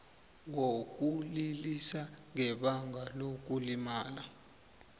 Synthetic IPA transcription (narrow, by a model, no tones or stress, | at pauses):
wok̬ʼulilisaŋɛɓaŋɡalok̬ulimaːla